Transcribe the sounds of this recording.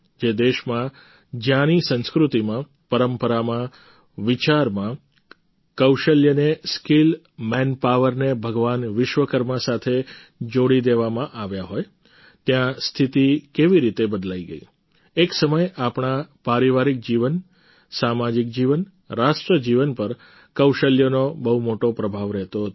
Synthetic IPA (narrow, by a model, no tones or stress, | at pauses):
d͡ʒed̪eʃmã | d͡ʒjãnisə̃nskɾut̪imã | pəɾəmpəɾamã | ʋɪt͡ʃaɾmã | kəwʃəljəneskil | mɛnpaʋəɾnebʱəɡʋanʋɪʃʋəkəɾməsat̪ʰe | d͡ʒoɽid̪eʋamãʔaʋjaɦoj | t̪jãst̪ʰit̪ikeʋiɾit̪ebəd̪laiɡəḭ | eksəməjapɳapaɾiʋaɾik̚d͡ʒiʋən | samad͡ʒik̚d͡ʒiʋən | ɾaʃʈɾəd͡ʒiʋənpəɾ | kəwʃəljənobəɦumoʈopɾəbʱaʋɾɛɦt̪oɦt̪